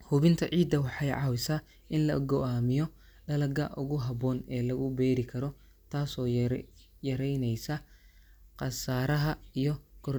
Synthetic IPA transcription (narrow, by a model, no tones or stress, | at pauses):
hʊβɪnt̪ʰɐʕiːd̪ːɐwɑħɑjʕɑwɪsɐ | ɪnlɐɡɔʔaːmɪjɔ | ɖɐlɐɡɐʔʊɣʊɦɐbɔːnɛːlɐɣʊbɛːɾɪkʰɐɾɔ | t̪ʰaːsɔː | jɐɾɛjnɛjsɐ | qɑsaːɾɐɦɐijɔɡ̥ɔr